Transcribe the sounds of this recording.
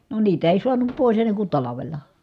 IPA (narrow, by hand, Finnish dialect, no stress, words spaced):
no niːt eˑi suɑnup poˑis enːeŋ kun tɑlɑʋelˑɑ